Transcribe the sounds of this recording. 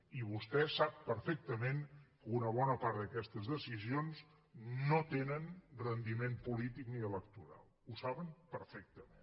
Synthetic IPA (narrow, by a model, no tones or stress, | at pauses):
iβ̞ust̪ɛsap̚pəɾfek̚t̪əmenkunəβ̞ɔnəpaɾt̪d̪əkɛst̪əzðəsizionz | not̪enənrənd̪imempulit̪ikniələkt̪uɾa̰lˠusaβəmpəɾfɛk̚t̪əmḛn